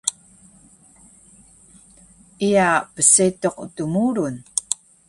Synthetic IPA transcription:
ijapəsit̪o̞qt̪umuːɾun

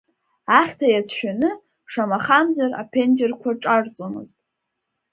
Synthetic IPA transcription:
aχʲtʰajat͡sʰʃᶣanɨ | ʂamaχamzara̰pʰe̞nd͡ʒerkʷʰaʈ͡ʂʼart͡sʼomɨ̰ztʼ

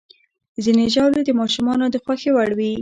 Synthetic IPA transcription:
zineʒawled̪əmɑʃumɑnod̪əxwaxewaɽwi

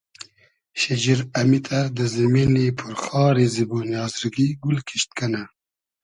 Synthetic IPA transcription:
ʃed͡ʒiɾɐmit̪ʰɐɾd̪əzɐminepʰʊɾxɑːɾeːziboːnjɑːzɾuɡiɡulkʰi̥ʃt̪̚kʰəna

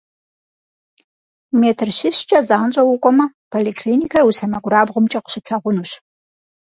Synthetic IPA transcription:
meːtʰɨrɕɪɕt͡ʃʼɐzaːnt͡ʃʼɐwʊkʷʼɔmɐ | pʰolekʰliːnikʰɐrwusɐmɐɡʷʊɾaːbʁʊmt͡ʃʼɐqə̥ɕɪpʰɐʁʷʊnuːɕ

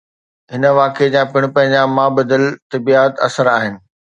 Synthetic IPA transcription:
ɦɪnəʋaːked͡ʑãːpɪɽ̃pɐ̃ɦɪ̃ɲd͡ʑamãbɐd̪əlt̪ɐbiːət̪ɐ̰səɾaːɦɪnɪ̆

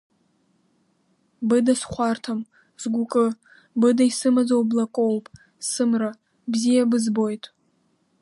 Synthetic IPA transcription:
bɨdasχʷartʰam | zɡʷʊkʼɨ | bɨdaisɨmad͡zowblakʷʼowpʼ | sɨmra | bzijabɨzbo̞jtʼ

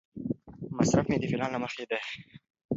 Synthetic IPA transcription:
masɾafmed̪əfɪlɑnlaməxed̪a

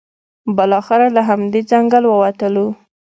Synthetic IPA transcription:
bəlɑxɪɾalaɦamd̪ed͡zaŋɡalwəwat̪əlu

